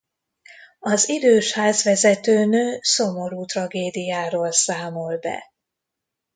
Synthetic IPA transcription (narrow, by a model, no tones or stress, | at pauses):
ɒzid̪øːʃhaːzvɛzɛt̪øːnøːso̞mo̞ɾuːt̪rɒɡeːd̪ijaːɾoːlsaːmo̞lbɛ̰